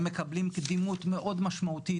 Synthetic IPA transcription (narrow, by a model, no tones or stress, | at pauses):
mekɐblimkd̪imut̪meʔo̞d̪maʃmaut̪i